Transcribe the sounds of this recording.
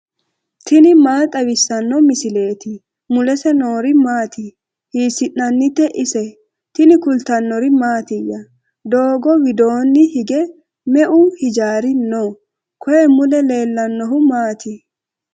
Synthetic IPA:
t̪ʰɪnɪmaːt̪ʼɐwɪsːɐnːɔmɪsɪle̞ːt̪ɪ | mʊlɛsɛno̞ːɾɪmaːt̪ɪ | hiːsɪʔnːɐnːɪt̪ːɛʔɪsɛ | t̪ɪnɪkʊlt̪ɐnːɔɾɪmaːt̪ɪjːɐ | d̪oːɡɔwɪd̪o̞ːnːɪhɪɡɛ | mɛʔʊhɪd͡ʒaːɾɪnoː | kʰɔjɛmʊlɛle̞ːlːɐnːɔɦʊmaːt̪ɪ

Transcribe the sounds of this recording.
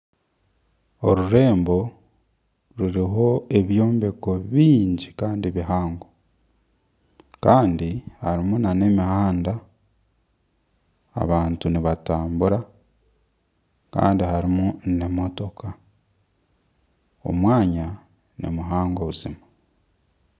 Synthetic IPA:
o̞ɾuɾe̞ːmbo̞ | ɾuɾiɦo̞e̞βjo̞ːmbe̞ko̞βiːɲɟikaːndiβiɦaːŋɡo | kaːndihaɾimunane̞mihaːnda | a̰βaːntuniβataːmbuɾa | ka̰ːndihaɾimunnemo̞to̞kʰa | o̞̰mwaːɲa | nḭmuɦaːŋɡo̞βuzima

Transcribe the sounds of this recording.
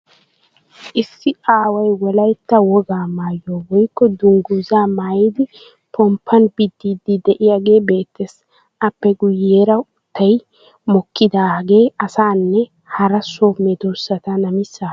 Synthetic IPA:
ʔɪsːɪʔaːwɐjwɔlɐjt̪ːɐwɔɡaːmaːjːoːwɔjkːɔd̪ʊŋɡuzaːmaːjɪd̪ɪ | pɔmpʰːɐnbɪd̪ːiːd̪ɪd̪ɛʔɪjaːɡe̞ːbe̞ːt̪ːes | ʔɐpːɛɡʊjːeːɾɐʊt̪ːɐj | mɔkːɪd̪aːɡe̞ːɐsaːnːɛ | hɐɾɐsoːmɛd̪osːɐt̪ɐnɐmɪsːaː

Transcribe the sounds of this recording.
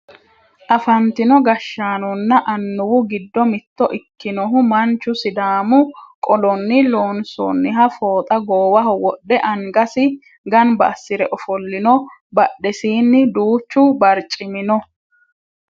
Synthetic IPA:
ʔɐfɐnt̪ɪnɔɡɐʃːaːnɔnːɐʔɐnːʊwʊɡɪd̪ːɔmɪt̪ːɔʔɪkːɪnɔɦʊmɐnt͡ʃːʊsɪd̪aːmʊkʼɔlɔnːɪloːnsɔ̰nːɪɦɐfoːt̪ʼɐɡoːwɐɦɔwɔɗːɛʔɐŋɡɐsɪ | ɡɐnbɐ̰ːsːɪɾɛʔɔfɔlːɪnɔ | bɐɗːɛsiːnːɪd̪uːt͡ʃːʊbɐɾt͡ʃʼɪmɪnɔ

